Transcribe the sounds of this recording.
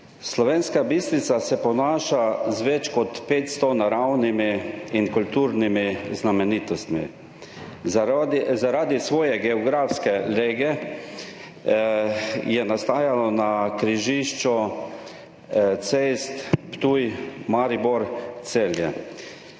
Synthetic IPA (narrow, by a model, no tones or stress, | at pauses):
slɔʋeːnskabist̪ɾit̪sasɛpɔnaːʃazʋɛt͡ʃkɔt̪peːt̪st̪ɔnaɾawnimiinkult̪uːɾnimiznamɛniːt̪ɔst̪mḭ | zaɾaːd̪isʋɔːjɛɡɛɔɡɾaːfskɛleɡɛ | jɛnast̪aːjalɔnakɾiʒiʃt͡ʃɔ | t̪sest̪pt̪uːjmaɾibɔɾt̪seljɛ